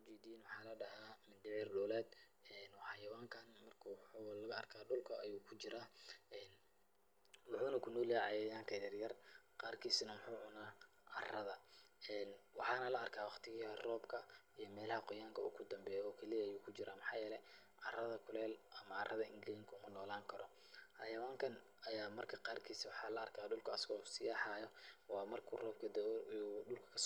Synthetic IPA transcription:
ʊt͡ʃiːd̪iːnwɑħɑːlɐɖɐɦaːmɪnd̪ɪʕjɪrɖɔːlɛːd̪ | ɛnwɑħɑːjɐwaːŋkʰaːnmɐrkʰɐwħuːlɐɣɐɐrkʰaːɖʊlkʰɐʔɐjuːkʰʊt͡ʃɪɾaːɛːn | mʊħuːnɐkʰʊnɔːliʕɑjɛjaːŋkʰɐjɐrjɐrqɑːrkʰiːsɐnɐmʊħuːʕʊnaː | ʔɐrɐðɐɛːnwɑħɑːnɐlɐɐrkʰaːwɑqt̪ʰɪɣɐrɔːbkʰɐijɔmɛːlɐhɐqɔjaːŋkʰɐṵɡʰʊd̪ɐmbɛːjɔːkʰɛlijɐːjuːkʰʊt͡ʃɪɾaːmɑħɑːjɛːlɛ | ʕɑrɐðɐkʰʊlɛːlʔɐmɐɐrʔɐðɐɪŋɡliːŋkʰʊmʊnɔːlaːŋkʰɐɾɔ | hɐjɐwaːŋkʰɐn | ɐjaːmɐrkʰɐqɑːrkʰiːsɐwɑħɑːlɐɐrkʰaːɖʊlkʰɐɐsɪɣɔsɪjaːħɑːjɔwɑːmɐrkʰṵːrɔːb̚kʰɐd̪ɛɗʊlkʰɐ̥kʰɐs

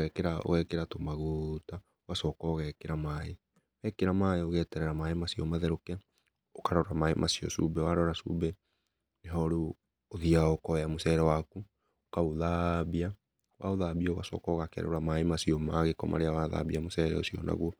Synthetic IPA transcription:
ɛkeɾao̰ɣɛkeɾatomaɣota | oɣasɔkɔɣɛkeɾamae | ɣɛkeɾamaeoɣɛtɛɾɛɾamaemasiɔmaðɛɾokɛ | okaɾɔɾamaemʔasiɔ̰sṵbɛwaɾɔɾasṵbɛ | neɦɔɾu | oðiaokɔamosɛɾɛwaku | okaoðaβia | waoðabiɔoɣasɔ̰kɔɣakɛ̰ɾo̰ɾamaemasiɔmaɣekɔmʔa̰ɾeawaða̰βiamosɛɾɛ̰o̰siɔ̰na̰ɣwɔ

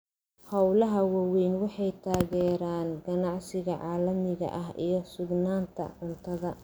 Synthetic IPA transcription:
hɐwlɐɦɐwɐwɛjnwɑħɑjt̪ʰaːɣɛːɾaːnɡɐnɑʕsɪɣɐʕɑːlɐmɪɣɐ̰ʔɐɦḭjɞsʊɡnaːnt̪ʰɐ̰ʕʊnt̪ʰɐðɐ

